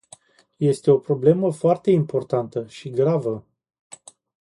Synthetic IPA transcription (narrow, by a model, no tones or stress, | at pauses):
je̞st̪e̞o̞pɾo̞ble̞məfoart̪e̞impo̞rt̪ant̪əʃiɡɾavə